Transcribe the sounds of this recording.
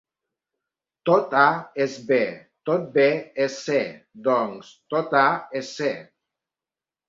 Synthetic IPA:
t̪ot̪aesbe | t̪ot̪̚beesed̪oŋst̪ot̪aese

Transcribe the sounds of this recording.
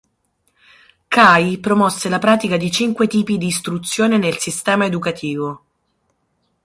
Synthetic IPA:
kajpɾomɔsːelapɾaːt̪ikad̪it͡ʃiŋkwet̪iːpid̪iːst̪ɾut̪sːjoːnenelsist̪ɛːmaed̪ukat̪ʰiːvo

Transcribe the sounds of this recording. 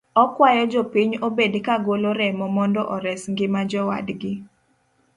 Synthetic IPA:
ɔkwajɔd͡ʒopiɲobedkaɡoloɾɛmɔmɔndɔʔɔɾɛsŋɡɪmad͡ʒɔwa̰dɡɪ

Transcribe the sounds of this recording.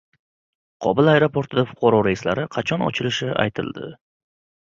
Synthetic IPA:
qʰɒbɪlˠajɾo̞pʰo̞ɾt̪ʰɪd̪afʊ̥qʰɑɾɒɾaɪslaɾɪqʰɑt͡ʃʰɒnɒ̰t͡ʃʰɪlɪʃɪa̰jt̪ʰɪ̰lˠd̪ɪ̰

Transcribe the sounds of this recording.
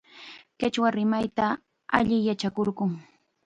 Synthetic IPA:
kɪt͡ʃwaɾɪmajt̪a | a̰ʎɪjat͡ʃakoɾɢʊŋ

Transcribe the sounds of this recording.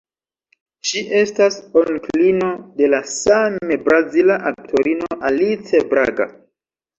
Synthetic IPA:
ʃiʔe̞stasoŋklino̞de̞lasamebɾazilaʔak̚tʰo̞ɾino̞ʔalit͡sebɾa̰ɡa̰

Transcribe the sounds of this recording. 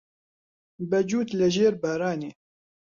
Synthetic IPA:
bɛd͡ʒuːt̪lɛʒeːɾbaːɾaːneː

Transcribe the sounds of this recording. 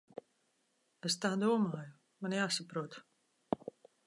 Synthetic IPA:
est̪aːd̪uɔmaːju | manjaːsapɾuɔt̪

